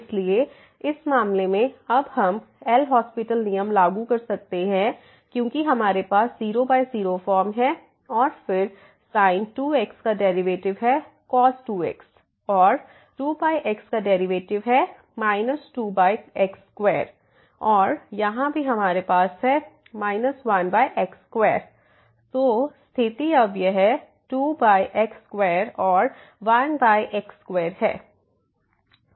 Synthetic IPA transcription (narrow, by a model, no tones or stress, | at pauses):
ɪslie | ɪsmaːmlemẽɐbɦɐm | ɛlɦɔːspɪʈəlnijəmlaːɡukɐɾsɐk̚t̪eɦɛ̃ | kjõːkiɦɐmaːɾepaːsziːɾobaːiziːɾofɔːɾmɦɛ | ɔːɾfɪɾ | saːɪnʈuːekskaɖɛːɾiʋeːʈɪʋɦɛ | kɔːsʈuːḛks | ɔːɾ | ɾuːbaːiʔɛkskaɖɛːɾiʋeːʈɪʋɦɛ | maːɪnəsʈuːbaːɪekskʋeːɾ | ɔːɾjɐɦãbʱiɦɐmaːɾepaːsɦɛ | maːɪnəsʋɐnbaːjʔekskʋeːɾ | t̪oːst̪ʰɪt̪iɐbjeɦɛ | ʈuːbaːiʔekskweːɾɔːɾ | ʋɐnbaːiʔekskʋeːɾɦɛ̰ː